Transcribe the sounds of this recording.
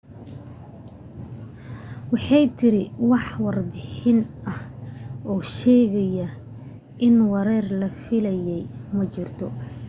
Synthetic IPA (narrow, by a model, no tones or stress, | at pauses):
wɑħɑjt̪ʰɪɾɪwɑħwɑrbɪħɪnɐhʔɔːʃɛːɣɛjɐ | ʔɪnwɐɾɛːrlɐfɪlɛjɛjmɐt͡ʃɪrt̪ʰɔ